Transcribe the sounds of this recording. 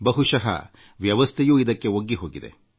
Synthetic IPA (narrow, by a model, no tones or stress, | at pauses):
bɐɦuʂɐɦɐ̰ | ʋjɐʋɐst̪ʰejuːid̪ɐkːe̞oɡːiɦo̞ːɡid̪e̞̰